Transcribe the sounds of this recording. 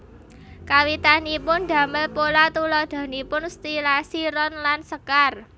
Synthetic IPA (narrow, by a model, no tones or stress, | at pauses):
kawit̪anipʊnɖ̪̥ä̤məlpolat̪ulɔd̪̥a̤nipʊnst̪ilasiɾɔnlansəkar